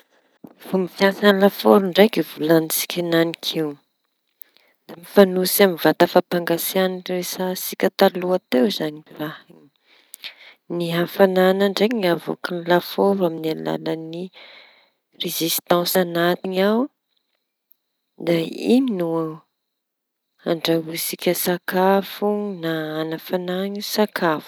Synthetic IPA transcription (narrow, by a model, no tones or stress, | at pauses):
v̥umifjasanlafoɾuɳɖ͡ʐekivulanit͡si̥kʰʲinanikʰiw | d̪̥amifanusamivat̪əfapaŋɡasianresasikʲat̪aluat̪ewzaniiɾahiɲi̥ | niɦafananaɳɖ͡ʐeɲiŋavo̰kinilafoɾaminala̰ləni | rezist̪ãsanat̪iɲaw | d̪aiminua | aɳɖ͡ʐaɦusikʲəsakʰafunaːnafanaɲisakʰafu̥